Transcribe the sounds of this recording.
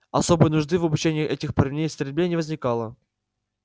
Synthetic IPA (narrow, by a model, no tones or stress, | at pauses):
ɐso̞bɨjənʊʐd̪ɨvəbʊt͡ɕenʲɪjiʔɛtʲɪxpəɾʲvʲnʲejsʲt̪ʲɾʲɪbʲlʲenʲɪvəzʲnʲɪkalˠə